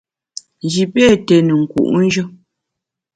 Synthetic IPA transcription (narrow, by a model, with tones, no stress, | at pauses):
n˨d͡ʒi˨pɛ˦˨tɛ˨nə˨ŋ̩˨kṵ˨ʔn̩˦d͡ʒə˦